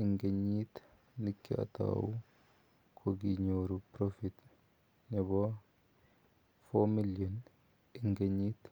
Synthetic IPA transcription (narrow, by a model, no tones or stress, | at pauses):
iŋɡeɲːit̪ | nikːiʔa̰t̪a̰wu | kʰoɡiɲoɾupɾofit̪ | nɛbɔ | fomiljɔn | iŋɡeɲit̪